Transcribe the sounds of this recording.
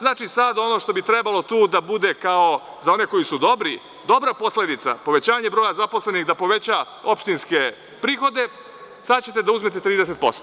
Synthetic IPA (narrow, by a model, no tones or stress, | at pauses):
znaːt͡ʃisad̪o̞no̞ʃt̪o̞bit̪ɾe̞balˠo̞t̪uːd̪abud̪e̞kao̞ | zao̞ne̞ko̞jisud̪o̞bɾi | d̪o̞bɾapo̞sle̞d̪it̪sa̰po̞ʋe̞t͡ɕaːɲe̞bɾo̞ːjazapo̞sle̞nixd̪apo̞ʋe̞t͡ɕa | o̞pʃt̪inske̞ | pɾiːxo̞d̪e̞ | sat͡ɕe̞t̪e̞d̪auzme̞t̪e̞t̪ɾiːd̪ese̞t̪̚po̞st̪o